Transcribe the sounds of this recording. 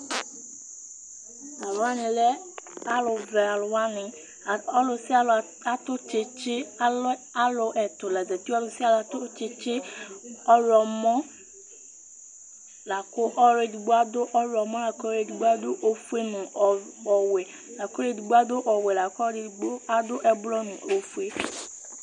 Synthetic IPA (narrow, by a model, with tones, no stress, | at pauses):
a˨lʊ˨a˦nɪ̃˨lɛ˦ | a˨lʊ˨vɛ˨a˨lʊ˨wa˦nɪ˨ | ɔ˦lʊ˨sɪ˦a˦˨ | a˨tʊ˦t͡ʃe˨t͡ʃɪ˦la˨lʊ˨ʔɛ˨t̪ʊ˨la˨zɛ˨t̪i˦ɔ˦lʊ˨sɪ˦a˦la˨tʊ˦t͡ʃɪ˨t͡ʃɪ˦ɔ˦ɾɔ˨mɔ˦ | la˨kʊ˦ʔɔ˦ɾe˦˨di˨ɡ͡bo˦a˦dʊ˦ʔɔ˦ɾɔ˨mɔ̃˦la˨kɾe˨di˨ɡ͡bo˦a˦d̪ʊ˦ʔo˨fu˦e˦nʊ̃˨ɔ˨we˨ | la˨kʊ˦ɾe˨di˨ɡ͡bo˦a˦d̪ʊ˦ʔɔ˨we˨la˨kdɡ͡bo˦a˨d̪ʊ˦ʔɛ˨blɔ˦nʊ̰̃˨ʔo˨fu˦e˦